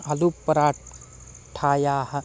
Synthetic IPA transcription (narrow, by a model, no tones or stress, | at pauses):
ɐlupːəɾaː | ʈʰaːjaːhɐ